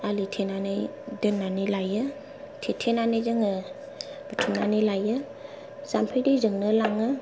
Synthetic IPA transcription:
alitʰenanajdɯnːanɯlajɯ | tʰetʰenanɯjzɯŋɯ | bətʰunanɯjlajɯ | zampʰɯjdɯjzɯŋnɯlaŋɯ

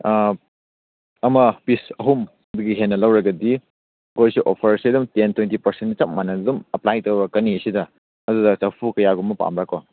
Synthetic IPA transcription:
ɐmɐpisɐɦum | ɐduɡiɦenːɐlɐwɾɐɡɐdi | kojsiʔopʰɐɾsidumtentʰwentipɐɾsenit͡ʃɐp̚manɐdumɐplajtowbɐkɐniɐsidɐ | ɐdudɐsɐpʰukɐjaɡumːɐpa̰mɾakːo

